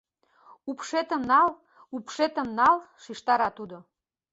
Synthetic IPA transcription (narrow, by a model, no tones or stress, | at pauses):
upʃet̪əmnɑl | upʃet̪ə̆mnɑlʃiʃt̪ɑɾɑt̪ud̪o